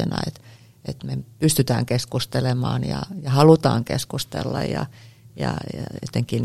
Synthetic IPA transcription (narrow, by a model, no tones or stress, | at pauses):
enɑ̰et̪ | et̪mepyst̪yt̪æːŋkeskust̪elemɑːnjɑjɑhɑlut̪ɑːŋkḛskust̪elːɑjjɑjɑjɑot̪eŋkin